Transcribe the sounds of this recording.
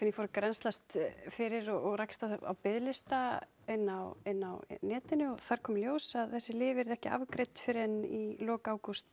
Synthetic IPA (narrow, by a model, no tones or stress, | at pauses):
kvɪnifoːɾɪkɾɛnst̪last̪fɪɾɪɾɔɔɣrajkst̪aa̰wpɪðlɪst̪a | ɛnːawɛnːawnɛːt̪ɪnːʏɔθaɾ̥kʰɔːmljoːwsaðθɛsːɪlɪːvɪɛɾðɛhcɪa̰vkɾejt̪fɪɾɛnːilɔːkaːwkust̪